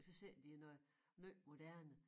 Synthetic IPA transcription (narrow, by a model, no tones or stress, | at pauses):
sɒ̽se̝ɐ̰d̥inɔ | nøːmo̝d̥æɐ̰nə